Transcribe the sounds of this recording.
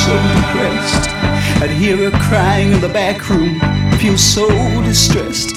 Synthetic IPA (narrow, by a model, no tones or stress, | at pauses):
soʊɨpʰɹ̥ɛstɨ̃d̚ɦiɹɨ̥kʰɹ̥aɪɪ̃ŋɨ̃nðəbækʰɹũmfilˠsoʊdɨstɹ̥ɛst